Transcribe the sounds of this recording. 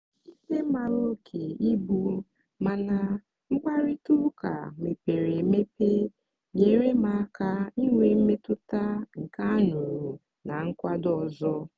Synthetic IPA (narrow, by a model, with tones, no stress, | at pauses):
i˦se˦ma˨ɾo˦kʰe˨i˦bu˦ | ma˨na˨ | ŋ͡m̩˦k͡pa˦ɾi˦tʊ˦ka̰˨me˨pe˨ɾe˨me˦pe˦ | ɲe˨ɾe˦ma˨˦ka˦i˦ŋʷe˨m̩˦me˦tʊ˦ta˦ŋ̩˨ka˦nu˨ɾu˨ | na˨ŋ̩˦kʷa˦dɔ˨zɔ˦